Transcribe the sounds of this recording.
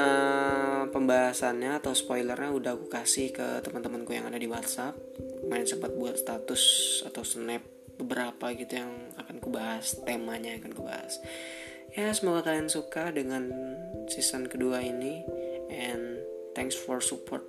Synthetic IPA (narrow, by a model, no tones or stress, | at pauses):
ʔə | pəmbaɦasanɲaːt̪awspojlərɲaudahkukasɪhkə̰t̪əmant̪əmənkuja̰ŋadadiwat̪sap̚maɾɪnsəmpat̪̚buat̪st̪at̪ʊsa̰t̪awsənɛp̚ | bəbəɾapaɡit̪ujaŋakankubaɦast̪emaɲaːkankuba̰ha̰s | jasəmuɡak̪aansukadəŋansisənkəduainiʔɛnt̪ɛŋksfɔrsupʰɔrt̪̚